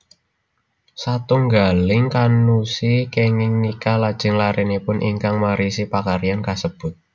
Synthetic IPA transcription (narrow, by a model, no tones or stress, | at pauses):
sat̪uŋɡalɪŋkanusikɛŋɪŋnikalad̥ʒ̥ɪ̤ŋlaɾɛnipʊnʔḭŋkaŋmaɾisipakaɾijankasəb̥ʊ̤t̪̚